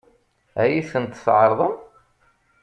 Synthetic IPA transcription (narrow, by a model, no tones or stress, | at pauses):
æjiθənt̪sʕəɾˤðˤəm